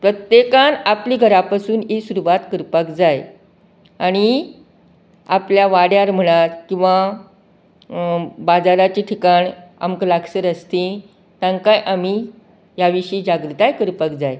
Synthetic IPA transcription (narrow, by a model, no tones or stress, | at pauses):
pɾət̪jekanapliːɡʱəɾapasuːnesuɾuʋat̪kəɾpəkd͡zaj | aɽ̃i | apljaʋaɽjaɾm̤əɽ̃at̪kĩw̃ʋa | bad͡zaɾat͡ɕiʈʰikaɳa̰mklaɡsəɾəst̪ĩ | t̪ãŋkajʔamiː | jaʋiɕid͡ʑaɡɾut̪ajkəɾpəkd͡zaj